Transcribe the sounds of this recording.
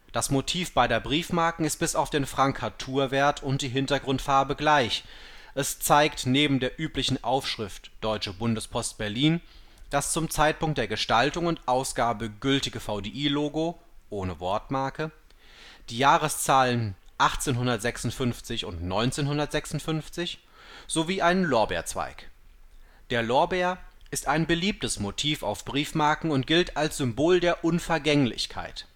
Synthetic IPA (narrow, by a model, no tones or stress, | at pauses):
d̥asmotʰiːfb̥aɪdeːɐbʁiːfmaɐkŋ̩ɪst̚b̥ɪsaʊfd̥eːnfʁ̥aŋkʰhatʰuːɐveːɐtʰʊnt̚d̥iːɦɪntɐɡʁʊntfaɐbəɡlaɪçʔɛst͡saɪktneːbm̩deːɐʔyːplɪçn̩ʔaʊfʃʁ̥ɪftd̥ɔʏt͡ʃəbʊndəspʰɔst̚b̥ɛɐliːn | d̥ast͡sʊmt͡saɪt̚pʊŋkt̚d̥eːɐɡəʃtaltʊŋʊntʔaʊsɡ̥aːbəɡʏltɪɡəfaʊdeːʔiːloːɡoʔoːnəvɔɐtmaɐkə | d̥iːjaːʁəst͡saːlənʔaχt͡seːnɦʊndɐtz̥ɛksʊntfʏnft͡sɪçʊntnɔʏnt͡seːnhʊndɐtz̥ɛksʊn̩tfʏnft͡sɪç | z̥oviːʔaɪnənlɔɐbḛːɐt͡sv̥a̰ɪk | d̥eːɐlɔɐbeːɐʔɪstaɪnbəliːp̚təsmotʰiːfa̰ʊfb̥ʁiːfmaɐkŋ̩ʊnt̚ɡ̥ɪltalsz̥ʏmboːldeːɐʔʊnfɛɐɡɛŋlɪ̰çkʰa̰ɪt